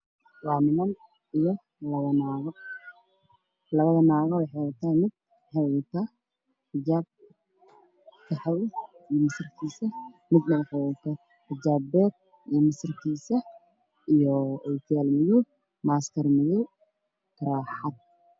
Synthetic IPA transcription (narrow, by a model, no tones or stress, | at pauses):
wɑːnɪmɐn | ijɔ | lɐβɐnaːɣɐ | lɐβɐðɐnaːɣɐwɑħɛʊt̪ʰaːmɪd̪̚ | ħɛɣʊt̪ʰa | ħɪd͡ʒaːb̚ | k̪ʰɐħɑwijɔmɪsɪrkʰiːsɐmɪd̪nɐħɛʊt̪ʰɐ | ħɪd͡ʒaːbɛːd̪̚ | ijmɪsɪrkʰiːsɐ | ijɔɔjk̪ʰjaːlmɪjʊ | maːskʰɐrmɪjʊ | kʰɐɾaːħɑd̪̚